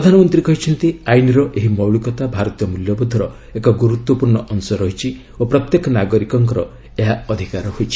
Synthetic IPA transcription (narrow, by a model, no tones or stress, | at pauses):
ɾɔd̪ʱanɔmɔnt̪ɾikɔɦit͡ʃʰɔnt̪iajniɾɔʔeɦimɔwɭikɔt̪abʱaɾɔt̪ijɔmuljɔbud̪ʱːɔɾɔ | ekɔɡuɾut̪wɔpuɾɳɔʔɔnusɔɾɔɦit͡ʃʰi | opɾɔt̪jekɔnaɡɔɾikɔŋkɔɾɔ̰ | eɦaɔd̪ʱikaɾɔɦojt͡ʃʰi̥